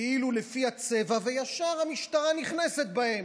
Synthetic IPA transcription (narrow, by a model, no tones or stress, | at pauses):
eilule̞fihat͡se̞vave̞jaʃaʁhamiʃt̪aʁaniχne̞se̞t̪̚bahem